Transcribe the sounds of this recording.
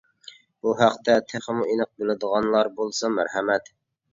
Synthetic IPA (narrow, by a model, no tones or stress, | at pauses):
b̥uɦæqt̪ʰɛt̪ʰæχəmuʔinəq̚belɪd̪əʁɑnlˠɑɾbolˠsɑmæɾhɛmɛt̪